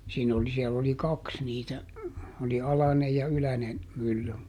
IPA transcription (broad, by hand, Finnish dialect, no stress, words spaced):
siːn oli siɛlː oli kɑks niːtæ oli ɑlɑnej jɑ ylænen mylːy